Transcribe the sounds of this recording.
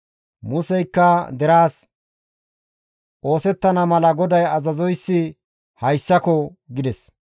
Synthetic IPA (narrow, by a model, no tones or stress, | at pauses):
mʊsɛjkːɐd̪ɛɾaːs | ʔo̞ːsɛt̪ːɐnɐmɐlɐɡɔd̪ɐjɐzɐzɔjsːɪ | hɐjsːɐkɔɡɪd̪ɛs